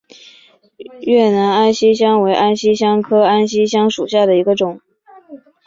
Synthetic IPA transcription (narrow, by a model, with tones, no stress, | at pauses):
ɥɛ˥˩na˧˥na˥nɕi˥ɕ̬jɑ˥ŋwe˧˥ɪʔa˥nɕi˥ɕjɑ˥ŋkʰɤ˥a˥nɕi˥ɕjɑ˥ŋʂu˨˩ɕja˥˩d̪ə˩i˧˥ɡə˧ʈ͡ʂʊ˨˩˦ŋ